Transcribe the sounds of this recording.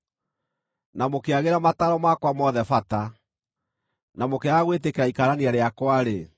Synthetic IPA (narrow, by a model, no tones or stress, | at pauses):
namokeaɣeɾamataɾɔmakwamɔðɛfata | namokeaɣwetekeɾaikaɾaneaɾeakwaɾe